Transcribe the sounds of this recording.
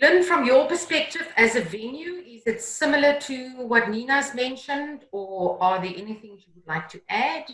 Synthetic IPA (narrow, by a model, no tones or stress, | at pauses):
lə̃nfɹɔ̃mjəpəspɛk̚tɪvæzəvɛ̃njuɪzɪtsɪmələtʰuwɔtninəzmɛ̃nʃə̃ndəəðəʔɛniθɪ̃ŋjiwədˡlaɪk̚tʰuʔæd̥